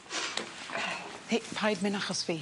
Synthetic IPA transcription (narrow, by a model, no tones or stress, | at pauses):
θepʰajdmɪnaχɔsfeː